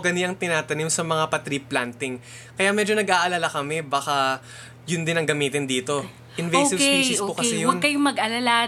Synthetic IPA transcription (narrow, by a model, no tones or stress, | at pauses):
ɡɐnɪɐŋt̪ɪnaːt̪ɐnimsɐmɐŋapɐt̪ɾiːplant̪ɪŋ | kɐjamɛd͡ʒo̞nɐɡʔaːʔɐlaːlakɐmɛbɐka | jʊnd̪ɪnɐŋɡɐmiːt̪ɪnd̪iːt̪o̞ | ʔɪnvɛjsɪkpisokɐsɛjʊwɐnkːɐjomɐɡɐlala